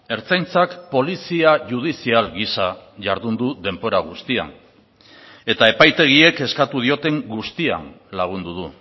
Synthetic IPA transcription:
e̞ɾt͡sajnt͡sakpo̞lisiaʝuð̞isialɣisaʝaɾðund̪uðe̞mbo̞ɾaɣ̞ust̪ia̰n | e̞t̪ae̞pajt̪e̞ɣ̞ie̞ke̞skat̪uð̞io̞t̪e̞ŋɡust̪ia̰n | laɣ̞und̪uðu

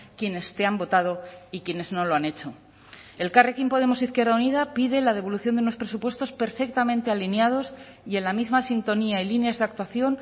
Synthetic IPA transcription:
kje̞ne̞st̪e̞ambo̞t̪að̞o̞ikje̞ne̞zno̞lo̞ane̞t͡ʃo̞ | e̞lkarekimpo̞ð̞e̞mo̞siθkje̞ɾðauniðapiðe̞lað̞e̞β̞o̞luθjond̪unospɾesupwe̞st̪o̞spe̞ɾfe̞k̚t̪amẽnt̪ealinjað̞o̞s | jie̞nlamizmasint̪o̞niailinjazðeak̚t̪waθjo̞n

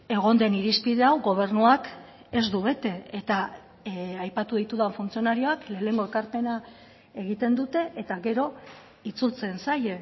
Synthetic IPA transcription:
e̞ɣ̞o̞nd̪e̞niɾispið̞e̞awɣo̞β̞e̞ɾnuak | e̞zd̪uβe̞t̪e̞et̪a | ajpat̪uðijt̪uðaɱfunt͡sio̞naɾio̞akle̞ːne̞ŋɡo̞e̞lkaɾpe̞na | e̞ɣ̞it̪e̞nd̪ut̪e̞ʔet̪aɣe̞ɾo̞ | it͡sult͡se̞nsaje

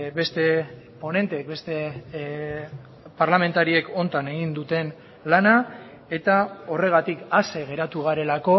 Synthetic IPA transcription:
be̞st̪e̞ | po̞ne̞nt̪eːk̚be̞st̪e̞ | paɾlame̞nt̪aɾie̞ko̞nt̪ane̞ɣ̞ind̪ut̪e̞n | lana | e̞t̪ao̞re̞ɣ̞at̪ikaseɣe̞ɾat̪uɣ̞aɾe̞lako̞

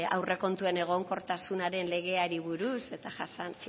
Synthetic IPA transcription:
a̰wre̞ko̞nt̪ue̞ne̞ɣ̞o̞ŋko̞ɾt̪asunaɾe̞nle̞ɣ̞e̞aɾiβuɾuse̞t̪aʝasan

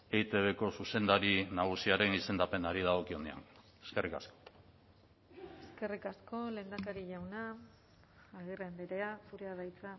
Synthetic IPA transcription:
ejt̪e̞βe̞ko̞suse̞nd̪aɾinaɣ̞usiaɾe̞nise̞nd̪ape̞naɾiðaɣo̞kio̞ne̞a̰n | e̞ske̞rʔika̰sko̥ | eske̞rikasko̞le̞nd̪akaɾiʝawnaː | ɣirembeɾe̞afuɾeaðajt͡sa

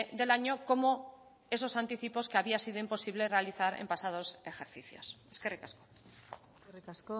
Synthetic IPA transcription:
d̪e̞laɲoko̞mo | e̞so̞sant̪iθipo̞skeaβiasið̞oimpo̞siβ̞le̞re̞aliθaɾḛmpasað̞o̞se̞xe̞ɾθiθjo̰se̥skerikasko | ikaso

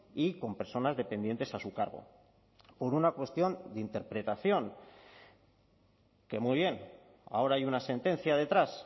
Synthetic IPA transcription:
iko̞mpe̞ɾso̞nazðe̞pe̞nd̪je̞nt̪e̞sasukaɾɣ̞o̞̰ | po̞ɾunakwe̞st̪jo̞nd̪eint̪e̞ɾpɾe̞t̪aθjo̞ŋ | ke̞muijβ̞je̞n | a̰o̞ɾaajunase̞nt̪ẽ̞n̟θjað̞e̞t̪ɾas

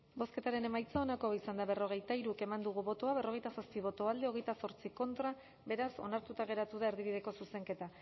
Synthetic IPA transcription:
bo̞ske̞t̪aɾe̞ne̞majt͡saonakoβaisand̪aβe̞ro̞ɣ̞e̞jt̪aiɾuke̞mand̪uɣ̞uβo̞t̪oaβ̞e̞ro̞ɣe̞jt̪asaspiβo̞t̪oald̪eo̞ɣ̞e̞jt̪aso̞ɾt͡siko̞nt̪ɾa | be̞ɾaso̞̰naɾt̪ut̪aɣ̞e̞ɾat̪uðae̞ɾðiβiðe̞ko̞suse̞ŋke̞t̪a

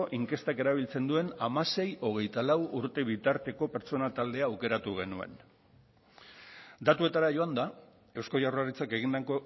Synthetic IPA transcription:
oʔiŋke̞st̪ake̞ɾaβ̞ilt͡se̞nd̪ue̞namase̞jʔo̞ɣ̞e̞jt̪alawuɾt̪e̞β̞it̪aɾt̪e̞ko̞pe̞ɾt͡so̞nat̪ald̪e̞aːwke̞ɾat̪uɣe̞̰nue̞̰n | d̪at̪ue̞t̪aɾaʝo̞and̪a | e̞wsko̞jawraɾit͡sake̞ɣ̞ind̪ako

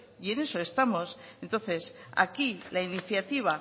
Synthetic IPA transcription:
ie̞ne̞so̞e̞st̪amo̞se̞nt̪o̞nθe̞sa̰kilainiθjat̪iβ̞a

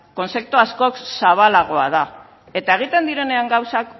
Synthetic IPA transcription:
ko̞nse̞k̚t̪uasko̞ksaβ̞alaɣ̞o̞a̰ð̞a | e̞t̪ae̞ɣ̞it̪e̞nd̪iɾe̞ne̞aŋɡawsak

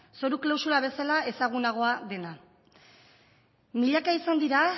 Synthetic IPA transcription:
so̞ɾuklawsuɾaβ̞e̞salae̞saɣ̞unaɣ̞o̞aðe̞na | miʎakaisand̪iɾa

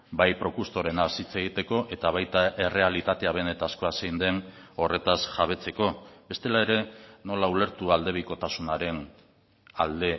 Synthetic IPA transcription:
bajpɾo̞kuɾst̪o̞ɾe̞nasit͡se̞ɣit̪e̞ko̞ʔe̞t̪aβ̞ajt̪aʔe̞re̞alit̪at̪e̞aβe̞ne̞t̪asko̞aseind̪e̞no̞re̞t̪asʝaβ̞e̞t͡se̞ko̞be̞st̪e̞lae̞ɾe̞no̞laule̞ɾt̪uald̪e̞β̞iko̞t̪asunaɾe̞n | ald̪e̞

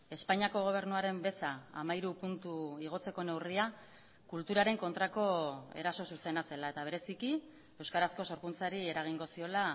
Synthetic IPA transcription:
e̞spaɲiako̞ɣ̞o̞β̞e̞ɾnuaɾe̞mbe̞saa̰maiɾupunt̪uiɣ̞o̞t͡se̞ko̞ne̞wria | kult̪uɾaɾe̞ŋko̞nt̪ɾako̞e̞̰ɾaso̞suse̞nase̞lae̞t̪aβe̞ɾe̞siki | e̞wskaɾasko̞so̞ɾkunt͡saɾie̞ɾaɣ̞iŋɡo̞sio̞la

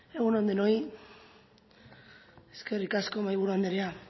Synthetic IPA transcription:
e̞ɣunond̪eno̞j | eske̞rikasko̞majβuɾuand̪eɾea

